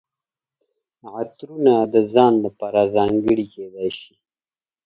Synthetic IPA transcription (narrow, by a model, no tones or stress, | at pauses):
at̪ɾunad̪əzɑnlapɑɾazɑŋɡəɽiked̪ajʃi̥